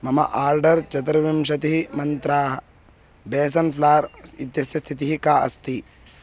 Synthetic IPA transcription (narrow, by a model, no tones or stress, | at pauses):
mɐmɐ̰ʔaːɾɖɐɾt͡ʃɐt̪̬ɾɐʋimʃɐt̪iɦimɐnt̪ɾaːɦɐ | beːs̬ɐnplaːɾit̪jɐsjɐst̪ʰit̪iɦikaːɐ̰st̪i